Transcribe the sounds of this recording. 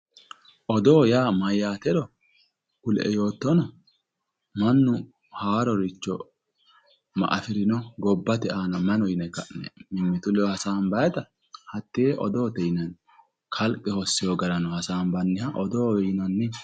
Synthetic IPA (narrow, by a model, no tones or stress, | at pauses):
ʔɔd̪oːjaːmɐjːaːt̪ɛd̪ɔ | kʊlʔɛ̰jo̞ːt̪ːɔnɔ | mɐnːʊ | haːɾɔɾɪt͡ʃːɔ̰ | mɐ̰ʔɐ̰fɪɾɪnɔɡɔbːɐt̪ɛaːnɐmɐnɔjnɛkɐnɛ̰mɪmːɪt̪ʊlɛhɐsaːnbɐjɛt̪ɐ | hɐt̪ːɪʔɔd̪oːt̪ɛjɪnɐn | kʰɐlkʼːɛhɔsːɪjɔɡɐɾɐnɔhɐsaːnbɐnːɪhɐʔɔd̪oːɛjnɐnːɪ